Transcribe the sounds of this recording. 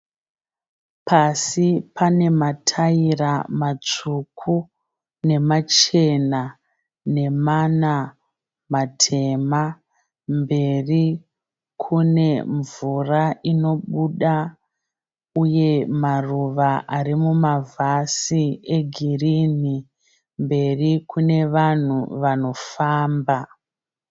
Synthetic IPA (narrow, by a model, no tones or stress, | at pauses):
pʰasipane̞matʰairamat͡ʂukʰu | ne̞mat͡ʃe̞na | ne̞mana | matʰe̞ma | mbe̞ri | kʰune̞ɱvuraʔino̞ɓuɗa | uje̞maruʋaʔaɾimumavʱasieɡʱirini | mbe̞rikune̞ʋan̤uʋano̞faːmba